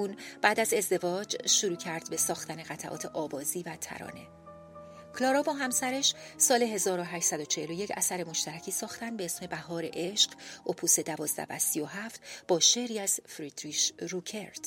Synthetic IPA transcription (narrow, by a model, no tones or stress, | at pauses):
uːnb̥æːd̪æze̞zd̪e̞vɒːd͡ʒʃuɾuːcʰæɾd̪be̞sɒːxt̪æneɣæt̪ʰæʔɒ̰ːt̪ʰe̞ʔɒːbɒːziːvæt̪ʰæ̰ɾɒ̰ːne̞ | kʰlɒːɾɒːbɒːɦæmsæɾeʃsɒːle̞ɦe̞zɒːɾo̞ɦæːʃt̪sæd̪o̞t͡ʃʰe̞helo̞je̞cʰæsæɾe̞mo̞ʃt̪æɾæcʰiːsɒːxt̪ænd̪be̞esme̞bæɦɒːɾe̞̰ʔe̞ʃɢ̥ʔopʰuːse̞d̪ævɒːzd̪æ̰væ̰sijo̞ɦæft̪b̥ɒːʃeɾiːæz̥fɾid̪ɾiʃɾucʰeɾd̪̥